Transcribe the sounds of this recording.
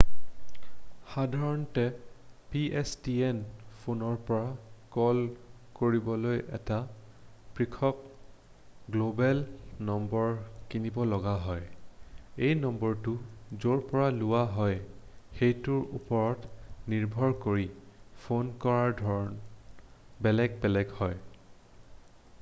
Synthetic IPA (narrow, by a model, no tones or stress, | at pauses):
xadʱaɹɔntɛpiɛstiɛnpʰonɔɹpɔɹakɔl | koɹibɔlojɛta | pɹikʰɔk̚ | ɡlobɛlnɔmbɔɹkinibɔlɔɡaɦɔj | ejnɔmbɔɹtʊzoɹpɔɹalʊwaɦɔj | xejtʊɹupɔɹɔtniɹbʱɔɹkoɹipʰonkɔɹaɹdʱɔɹɔn | bɛlɛɡ̚bɛlɛɡhɔj